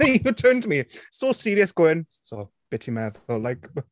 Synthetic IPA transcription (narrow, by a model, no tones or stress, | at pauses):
ɛjutʰɜːntʰəmisosiɾiəsɡ̥ɪn | so | b̥ɪtʰimɛðɔlajk